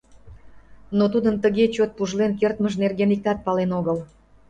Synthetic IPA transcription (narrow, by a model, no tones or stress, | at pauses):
not̪ud̪ənt̪əɣet͡ɕot̪̚puʒlenkert̪məʒnerɣenik̪ɑt̪̚pɑlenoɣəl